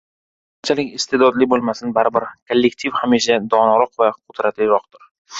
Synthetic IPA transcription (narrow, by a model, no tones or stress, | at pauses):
ant͡ʃʰalɪkʲɪst̪e̞d̪ɒd̪lɪbolˠmasɪnbaɾɪbɪɾkʰolːek̚t̪ʰifhamiʃad̪ɒnɒɾɒqvaqʰʊd̪ɾat̪lɪɾɒqt̪ʊɾ